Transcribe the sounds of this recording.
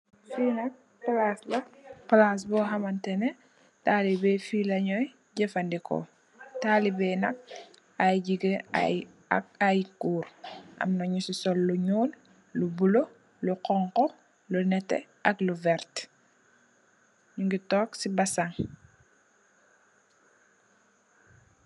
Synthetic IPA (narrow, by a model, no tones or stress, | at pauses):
finɐk̚ | palaslɐpalas̬bɔːɦɐmɐntɛnɛ | taːlibɛfilɐɲɔj | ɟɛfandikɔ̰ | talibɛnɐk̚ | ajɟiɡea | a̰kajkuːɾʔɐ̰mnoɲusisɔlːuɲoːn | lubulo | luqɔŋkɔ | lunɛtːɛ̰ʔɐkluvɛɾt | ɲuŋɡitɔːksibasaŋ